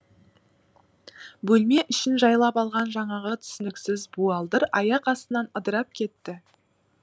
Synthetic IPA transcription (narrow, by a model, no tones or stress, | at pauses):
bɵlme̞ʔʏʃɪnʒɑjlˠɑpɑlˠʁɑnʒɑɴɑʁət̪ʰʏ̥sɪnɪksɪzbuɑlˠd̪əɾɑjɑqɑst̪ənɑnəd̪əɾɑp̚kʲʰe̞t̪ːɪ